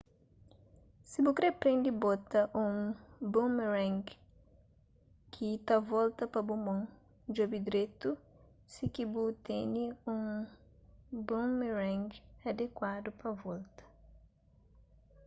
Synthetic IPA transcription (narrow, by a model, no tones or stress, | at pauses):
sibukɾepɾẽnd̪ibɔt̪ɐʔũbõmɾɛ̃ŋɡ | kʰit̪avɔlt̪ɐpɐbumõŋ | d͡ʒobid̪ɾet̪u | sikibut̪eɲiũŋ | bõmeɾɛ̃ŋɡɐd̪ekwad̪ʊpɐvɔlt̪ɐ̥